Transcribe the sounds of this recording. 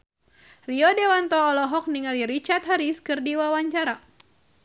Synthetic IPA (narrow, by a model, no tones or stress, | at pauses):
riɔdewant̪ɔːlɔɦɔk̚niŋaliɾit͡ʃart̪̚ɦaɾiskɨrdiwawaɲt͡ʃaɾa